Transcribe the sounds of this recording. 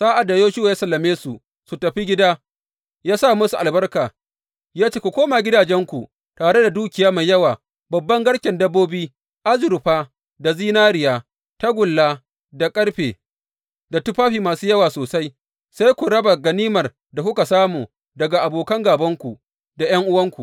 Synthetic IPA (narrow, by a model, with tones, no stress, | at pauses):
zaː˦ʔa˨da˨joː˦ʃi˦wjaː˦sɐ˨lːɐ˨meː˦su˨ | su˨tɐ˨ɸi˦ɡʲɪ˦daː˦ | jaː˦sa˦˨mʊ˦su˨ʔa̰˨lbɐ˦rkaː˨ | jaː˦t͡ʃeː˦ku˨kʷoː˦ma˨ɡʲɪ˦daː˨d͡ʒɛ˦ŋkʷu˨ | taː˨ɽe˦da˨duː˦kʲɪ˨jaː˦ma˨jɐ˦waː˨ | bɐ˨bːɐ˦ŋɡɐ˦ɽkʲɛ˨ndɐ˦bːoː˦biː˦ | ʔa˦zʊ˨ɾɸaː˦ | da˨ziː˦naː˦ɾɪ˨jaː˦ | ta˦ɡʷʊ˨lːaː˦ | da˨kʼɐ˦ɽɸeː˨ | da˨tʊ˦ɸaː˦ɸiː˨maː˨suː˦jɐ˦waː˨soː˨sa˦j | sa˦jkʷu˨ɽɐ˦ba˨ɡɐ˨niː˦mɐ˨r | da˨kʷʊ˦ka˨saː˦muː˨ | dɐ˨ɡa˨ʔa˨boː˨kɐ˦ŋɡaː˨bɐ˦ŋkʷu˨ | da˨j̰ɐ˦ŋʔʊ˦wɐ˦ŋkʷu˨